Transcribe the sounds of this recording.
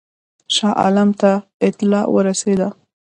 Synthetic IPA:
ʃɑʔɑ̰lamt̪aɪt̪ɪlɑwə̰ɾased̪a

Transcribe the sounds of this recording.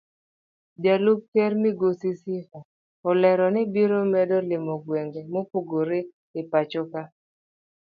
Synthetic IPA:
dalup̚kɛɾmɪɡosisɪha | ɔlɛɾɔnɪbiɾomɛdɔlɪmɔɡweŋɡemopoɡoɾe | ɪpat͡ʃʊka

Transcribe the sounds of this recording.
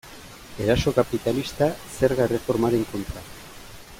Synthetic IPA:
e̞ɾaso̞kapit̪alist̪ase̞ɾɣaere̞fo̞ɾmaɾe̞ŋko̞nt̪ɾa

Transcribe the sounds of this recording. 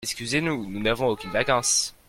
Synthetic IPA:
ɛskʲyzenununavɔ̃okʲynvakɑ̃s

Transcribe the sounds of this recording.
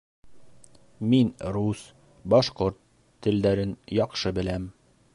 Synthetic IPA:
minɾus | bɒʃqoɾt̪ʰː | ɘ̆ld̪æɾɘnjɒqʃɤbɘ̆læm

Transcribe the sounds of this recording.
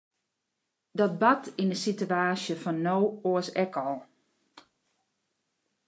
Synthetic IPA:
dɔt̚batʰinəsityaːsjəfɔnːoːoəsɛkɔlˠ

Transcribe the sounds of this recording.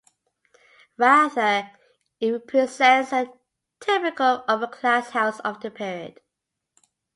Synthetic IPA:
ɹaðə | ɪpʰɹ̥izɛ̃nsə | tʰɪpɪkəlʌvəkʰl̥ashaʊsəvðəpʰɪɹiə̰d̥

